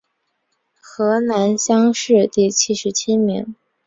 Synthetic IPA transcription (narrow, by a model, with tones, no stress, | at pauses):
xɤ˧˥na˧˥nɕjɑ˥ŋʂɻ̩˥˧t̪i˥˩t͡ɕʰi˥ʂɻ̩˧˥t͡ɕʰi˥mḭ˧˥ŋ